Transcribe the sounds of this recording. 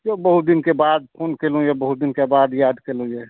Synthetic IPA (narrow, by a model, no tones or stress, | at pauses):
obəɦut̪̚d̪inkebad̪̚pʰonkelũjebəɦud̪inkebaːd̪jad̪kelũjɛ